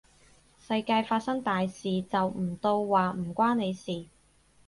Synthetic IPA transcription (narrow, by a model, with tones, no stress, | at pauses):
sɐ˧jkaː˧jfaː˧t̚sɐ˥ŋt̪aː˨jsiː˨t͡sɐ˨wm̩˨˩t̪o˧wːaː˨m̩˨˩kʷaː˥ne˨˧jsiː˨